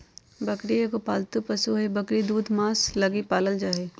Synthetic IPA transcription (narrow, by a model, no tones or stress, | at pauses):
bɐkɽiekopaːlt̪upɐsuɦɛbɐkɽid̪uːd̪mãːslɐɡipaːləld͡ʒaːeː